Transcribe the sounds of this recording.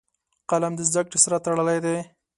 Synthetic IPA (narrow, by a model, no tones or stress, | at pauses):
qalamd̪əzd̪akɽesaɾat̪aɽəlajd̪e